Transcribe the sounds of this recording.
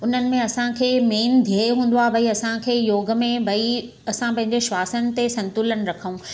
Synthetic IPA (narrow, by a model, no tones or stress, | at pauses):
ʊn̤ənɪ̆mẽɐsãkʰeːmeːnd̪ʱieɦũːn̆d̪oaːbʱɐiɐsãkʰeːjoːɡ̆mẽbʱɐi | ɐsãpɐ̃ɦɪ̃ɲ̆d͡ʑeʃʋaːsənɪ̆t̪esɐ̃nt̪ʊlənɪ̆ɾɐkʰəũ